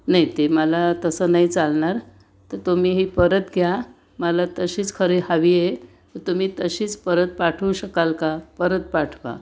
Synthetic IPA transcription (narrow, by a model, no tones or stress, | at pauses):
najt̪eməlat̪əsəːnait͡salɳaɾ | t̪əɾt̪umiːɦiːpəɾət̪ɡʱja | məlat̪əɕiːt͡skʰəɾehaʋije | ʋəɾt̪um̤iːt̪əɕiːt͡spəɾət̪̚paʈʰəwɕəkalkapəɾət̪̚paʈʰʋa̰